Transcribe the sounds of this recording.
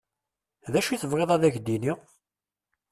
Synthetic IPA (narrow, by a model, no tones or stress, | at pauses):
ðæʃiθəvʁeðˤæðæçd̪ini